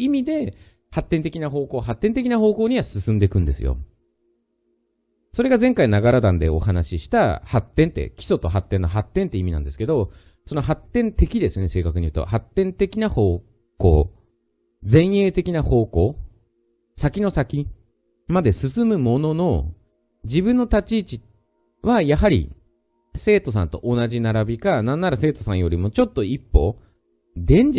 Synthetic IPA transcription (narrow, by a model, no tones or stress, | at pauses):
imʲid̪e̞ | hat̪ːẽnt̪̬e̞kʲinaɦo̞ːko̞ːɦat̪ːẽ̞nt̪e̞kʲinaɦo̞ːko̞ːɲ̟iβasɨsɨ̃nd̪e̞kɯ̟̃nd̪e̞sɨ̰jo̰ | so̞ɾe̞ɡazẽ̞ŋkainaɡaɾad̪ãnd̪eo̰ɦanaɕiɕi̥t̪ahat̪ːẽ̞nt̪e̞̰kʲi̥so̞t̪o̞ɦat̪ːenːoɦat̪ːẽ̞nt̪eimʲinã̰nd̪e̞sɨ̥ke̞d̪o̞ | so̞no̞ɦat̪ːẽ̞nt̪e̞kʲid̪e̞sɨne̞se̞ːkakɯɲ̟iɯ̟ːt̪o̰hat̪ːẽ̞nt̪e̞kʲinaho̞ː | ko̞̰ː | d͡zẽ̞ɰ̃e̞ːt̪e̞kʲinaho̞ːko̞ː | sakʲino̞sakʲi | mad̪e̞sɨsɨmɯ̟mo̞no̞no̞ | d͡ʑibɯ̟̃nːot̪at͡ɕiːt͡ɕi | βajaɦaɾʲḭ | se̞ːt̪o̞s̬ã̰nt̪oʔonaʑinaɾabʲikanãnːaɾase̞ːt̪o̞sãɰ̃jo̞ɾʲimo̞t͡ɕo̞t̪ːo̞ipːo̞̰ | d̪ẽ̞ɲ̟d͡ʑ